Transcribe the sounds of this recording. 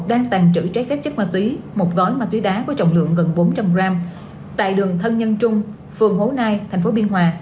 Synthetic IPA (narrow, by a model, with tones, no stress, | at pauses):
ɗaː˧ŋt̪a˨˩jŋ̟t͡ɕɨ̰˧˩t͡ɕa˦˥fɛ˦˥p̚t͡ɕɨ˦˥k̚maː˨˩t̪wi˨˦mo˨˩t̚ɣɔ˨˦jmaː˨˩t̪wi˨˦ɗaː˨˦ku˧˩˦t͡ɕɔ̰˧˨wŋ͡mlɨ̰˧˨əŋɣə˨˩nɓo˨˦nt͡ɕa˧˩wmzaː˧m | t̪a̰ː˧˨jɗɨ˨˩əŋt̪ʰə˧nɲə˧nt͡ɕʊ˧ŋ͡m | fɨ˨˩əŋho˨˦naː˧jt̪ʰɛ˨˩jŋ̟fo˨˦ɓi˧ənɦwaː˧